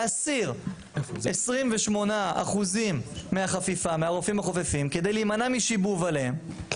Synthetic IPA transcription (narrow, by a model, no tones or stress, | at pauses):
asiʁ | esʁimveʃmo̞naa̰χuzimːeaχafifameaʁofimhaχofefimke̞d̪e̞jliːmanamiʃibuvaleem